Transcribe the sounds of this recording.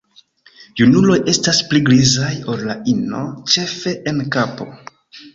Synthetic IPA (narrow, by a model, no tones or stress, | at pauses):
junulo̞je̞staspliɡlizajo̞llaino̞t͡ʃe̞fe̞ʔenkapo̞̰